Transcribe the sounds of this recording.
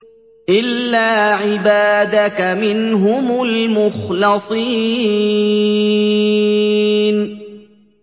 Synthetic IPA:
ʔɪlːaːʕɪbaːd̪akamɪnɦʊmʊlmʊxlɑsˤiː | n

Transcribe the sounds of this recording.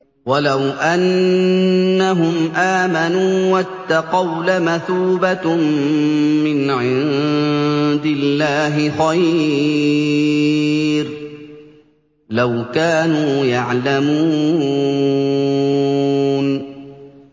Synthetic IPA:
walawʔanː | aɦʊmʔaːmanuːwat̪ːaqɑwlamaθuːba | mːɪnʕɪn | d̪ɪlːaːɦɪxaj | ɾ | lawkaːnuːjaʕlamuː | n

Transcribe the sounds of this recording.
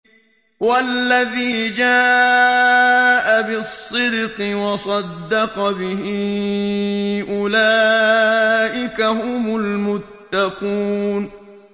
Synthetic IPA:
walːaðiːd͡ʒaː | ʔabɪsˤːɪd̪qɨwɑsˤɑd̪ːɑqɑbɪɦɪ | ʔʊlaː | ʔɪkahʊmʊlmʊt̪ːaquːn

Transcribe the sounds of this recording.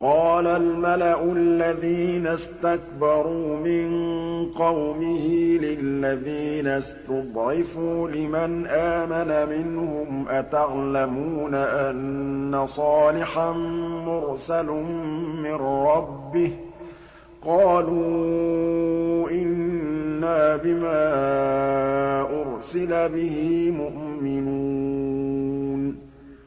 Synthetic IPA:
qɑːlalmalaʔʊlːaðiːnast̪akbɑɾˤuːmɪnqɑwmɪhilɪlːaðiːnast̪ʊd̪ˤʕɪfuːlɪmanʔaːmanamɪnhʊmʔat̪aɣlamuːnaʔanːasˤɑːlɪħanmʊɾsalmɪnɾɑbːɪh | qɑːluː | ʔɪnnnnːaːbɪmaː | ʔʊɾsɪlabɪhɪːmʊʔmɪnuː | n

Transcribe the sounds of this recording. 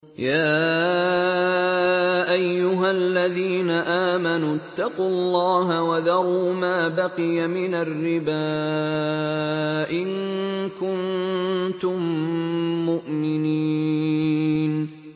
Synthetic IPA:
jaː | ʔajːʊɦalːaðiːnaʔaːmanuːt̪ːɑquːɑlːɑːɦawaðɑɾˤuːmaːbaqɪjamɪnarːɪba | ʔɪŋkʊnt̪ʊmː | ʊʔmɪniː | n

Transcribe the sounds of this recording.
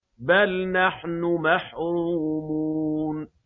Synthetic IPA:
balnaħnʊmaħɾɾuːmun

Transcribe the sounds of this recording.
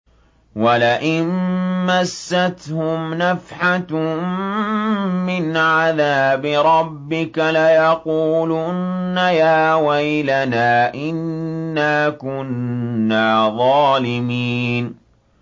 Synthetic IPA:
walaʔɪnmasːat̪hʊmnafħat | ɪnʕaðaːbɪɾˤɑbːɪkalajɑquːlʊnːajaːwajlanaːʔɪnːaːkʊnːaːðˤɑːlɪmiːn

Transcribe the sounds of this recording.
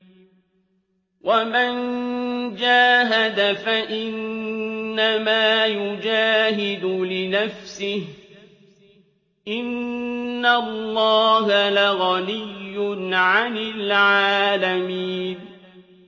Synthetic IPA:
wʔaman | d͡ʒaːɦad̪afaʔɪnː | amaːjʊd͡ʒaːɦɪd̪ʊlɪnafsɪh | ʔɪnː | alːɑːɦalaɣɑlɪjːʊnʕanɪlʕaaːlamiːn

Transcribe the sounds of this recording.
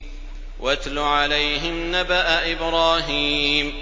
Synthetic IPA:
wat̪lʊʕalajɦɪmnabaʔaʔɪbɾɑːɦiːm

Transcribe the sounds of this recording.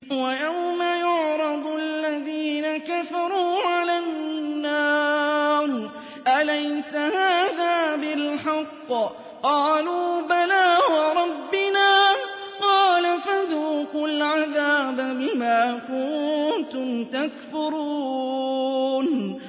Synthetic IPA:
wajawmajʊʕɾɑd̪ˤʔalːaðiːnakafɑɾˤuːʕalanːaː | ɾ | ʔalajsahaːðaːbɪlħɑqː | qɑːluːbalaːwɑɾˤɑbːɪnaː | qɑːlafaðuːkʊlʕaðaːbabɪmaːkʊnt̪ʊmt̪akfʊɾuː | n

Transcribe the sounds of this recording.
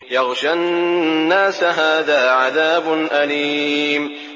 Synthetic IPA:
jɑɣʃanːaːsɦaːðaːʕaðaːbʊnʔaliːm

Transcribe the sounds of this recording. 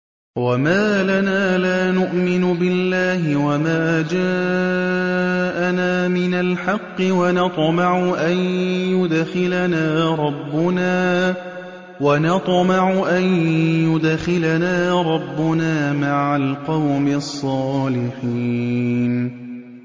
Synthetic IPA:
wamaːlanaːlaːnʊʔmɪnʊbɪlːaːhɪwamaːd͡ʒaː | ʔanaːmɪnalħɑqːɪwanɑt̪ˤmɑʕʊʔanjʊd̪xɪlanaːɾˤɑbːʊnaː | wanɑt̪ˤmɑʕʊʔanjʊd̪xɪlanaːɾˤɑbːʊnaːmaʕalqɑwmɪsˤːɑːlɪħiːn

